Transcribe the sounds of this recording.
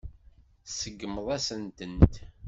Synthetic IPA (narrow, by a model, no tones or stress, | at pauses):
səɡːməðˤæsənt̪ənt̪